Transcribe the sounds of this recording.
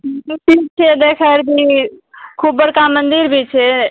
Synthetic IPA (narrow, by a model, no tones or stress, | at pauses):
tik̚t͡ʃʰed̪ekʰəɾbi | kʰubːəɽkamənd̪iɾbʱit͡ʃʰɛ